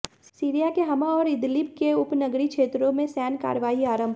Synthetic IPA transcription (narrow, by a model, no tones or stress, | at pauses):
siːɾijakeɦɐmaɔːɾɪd̪lɪpkeʊpnɐɡɾikʃeːt̪ɾõmẽsɛːnka̰ːɾʋaːiaːɾə̃mbʱ